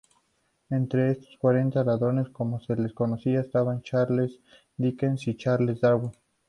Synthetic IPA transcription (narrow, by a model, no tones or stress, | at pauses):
e̞nt̪ɾe̞est̪o̥skwaɾe̞nt̪alaðɾo̞ne̞sko̞mo̞se̞le̞sko̞no̞siaest̪aβant͡ʃaɾles | d̪ikensit͡ʃaɾlezd̪aɾwo